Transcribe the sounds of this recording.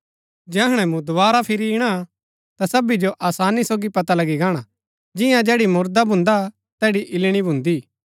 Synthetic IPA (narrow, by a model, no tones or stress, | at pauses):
d͡ʒɛɦɽ̃ɛ̃mũd̪obaːɾapʰɪɾiɪɽ̃a | t̪asɐbid͡ʒoʔaːsaːnisoːɡipɐt̪alɐɡiɡaːɽ̃a | d͡ʒɪjãd͡ʒɛːɽimʊɾd̪abʱʊ̃nd̪a | t̪ɛːɽiʔɪlɽ̃ibʱʊ̃nd̪iː